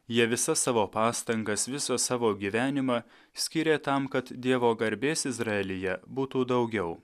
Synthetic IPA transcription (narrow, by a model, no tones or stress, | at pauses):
jiɛʋʲɪsɐsːɑːʋoːpɑːst̪ɐŋɡɐsʋʲɪsɐsɑːʋoːɡʲiːʋʲæːnʲɪmɑ | sʲkʲɪɾʲeːt̪ɐmkɐt̪d̪ʲiɛʋoːɡɐɾʲbʲeːsɪzɾɑɛlʲɪjɛbuːt̪uːd̪ɒʊɡʲɛʊ